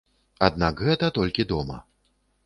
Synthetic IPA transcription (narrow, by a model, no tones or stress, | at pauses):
ad̪nakɣɛt̪ɐt̪ɔlʲkʲid̪ɔmɐ̰